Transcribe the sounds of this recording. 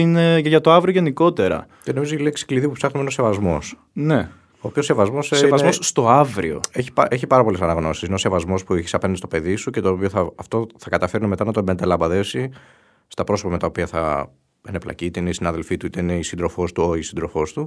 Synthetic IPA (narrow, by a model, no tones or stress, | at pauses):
ineʝʝɐt̪o̞ɐvɾioʝe̞niko̞t̪e̞ɾɐ̰ | ceno̞mizoçileksi̥kliðipupsɐxnumenose̞vɐzmo̞s | ne | oːpiosːe̞vɐzmo̞sseɐzzmosst̪o̞ɐvɾḭo̞̰eçi̥pɐʔeçipɐɾɐpo̞le̞sɐnɐɣno̞sisino̞se̞vɐzmo̞spueçi̥sɐpenɐðd̪ist̪ope̞ðisuce̞t̪oːpio̞θɐːft̪o̞θɐkɐt̪ɐfe̞ɾineme̞t̪ɐnɐt̪obent̪elɐmbɐðe̞si | st̪ɐpɾo̞sopɐme̞t̪ɐopiɐθɐ̰ | eneplɐ̰cit̪eineisinɐðe̞lfit̪uit̪eine̞isind̪ɾo̞fo̞st̪uoisind̪ɾo̞fo̞st̪u